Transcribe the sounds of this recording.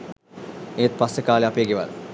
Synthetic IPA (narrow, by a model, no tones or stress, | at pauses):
eːt̪̚pasəkaːleapeːɡeʋɐ̰l